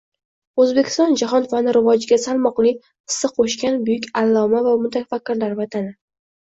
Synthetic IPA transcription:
ɵzbekʲʰɪ̥st̪ɒnd͡ʒaɦɒnfanɪɾɪvɒd͡ʒɪɡʲasalˠmɒqlˠɪ | ɪ̥sːɪqʰoʃkʲanbʊjʊkʲalˠːɒmavamʊt̪ʰafakʲːɪɾlaɾvat̪ʰanɪ

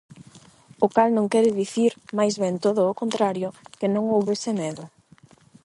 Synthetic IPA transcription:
ʊkalnõŋkɛɾɪðiθiɾmajzβɛnt̪oðʊːkont̪ɾaɾjʊkɪnõŋowβesɪmɛðʊ

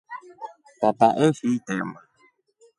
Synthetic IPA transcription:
t̪at̪aʔehiit̪ema

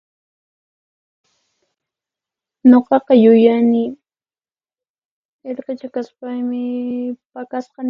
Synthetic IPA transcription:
ɲoqɑqɑjʊjanɪ | eɾqet͡ʃakaspajmɪpakasqɑn

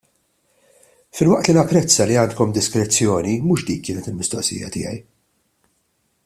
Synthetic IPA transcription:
fɪlwɐʔt̪linɐpːɾɛt͡sːɐliɐːnt̪̚kɔmd̪ɪskɾɛt͡sːjɔːnimuːʃd̪iːkːɪːnɛt̪ɪlmɪst̪ɔʔsɪ̰ːjɐ̰t̪ɪ̰jɛ̰j

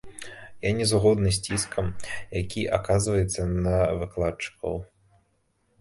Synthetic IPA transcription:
janʲɛzɣɔd̪nɨs̬ʲt͡sʲiskʰɐmjakʲiʔa̰kazvɐjɛt̪sːɐnɐvɨklˠat͡ʂɨ̥kʰɐ̰w

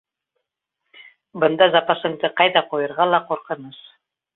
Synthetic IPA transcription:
bɤ̆nd̪ɑzɑpɑʃɤ̆ɴd̪ɤqɑjðɑqujɤ̆ɾʁɑlˠɑquɾqɤ̆nɤʃ

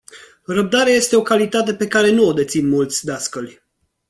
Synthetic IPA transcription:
rəb̚d̪aɾeaje̞st̪e̞o̞kalit̪at̪̬e̞pe̞kaɾe̞nuod̪e̞t̪sinmult̪sʲd̪askəlʲ

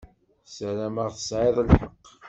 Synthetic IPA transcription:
sæɾæməʁθə̥sʕeðˤəlħəqː

